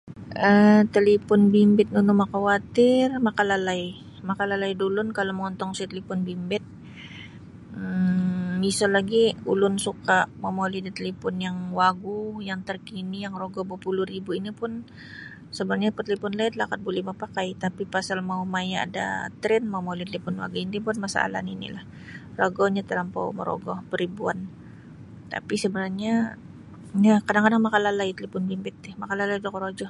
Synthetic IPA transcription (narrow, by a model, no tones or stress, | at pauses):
ʔət̪əlipʊnbimbɪt̪̚nunʊmakawat̪ɪrmakalalai | makalalaidulʊnkaloməŋɔnt̪ɔŋsit̪əlipɔnbimbɪt̪̚ | isalaɡiulʊnsukaʔmamolidit̪əlipʊnjaŋwaɡujaŋt̪ərkinijaŋroɡɔbupulʊribuinipʊn | səbənarɲapət̪əlipʊnlat̪lakat̪̚bulihmapakajt̪apipasalmaumajaa̰da̰t̪ɾɛnmaumolit̪əlipʊnwa̰ɡuindipʊnmasa̰la̰ninḭlah | roɡɔhɲat̪əlampa̰wmə̰ɾo̰ɡɔhpəɾibuan | t̪a̰pisəbənarɲa | jakadaŋkadaŋmakalalait̪əlipʊnbimbɪt̪ːɪhmakalalaidokɔɾod͡ʒɔh